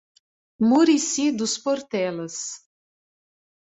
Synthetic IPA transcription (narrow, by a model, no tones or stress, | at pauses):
muɾisid̪ʊspoɾt̪ɛlɐs